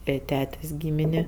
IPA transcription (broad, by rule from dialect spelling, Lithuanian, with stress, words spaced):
ˈeː ˈtʲæːtʲeːsʲ ˈɡʲiːmʲɪnʲɪ